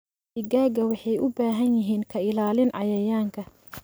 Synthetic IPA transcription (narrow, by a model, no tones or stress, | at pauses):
ɪɡaːɡɐwɑħɑjʊbaːɦɐnjɪɦiːŋkʰɐɪlaːlɪnʕɑjɐjaːŋkʰɐ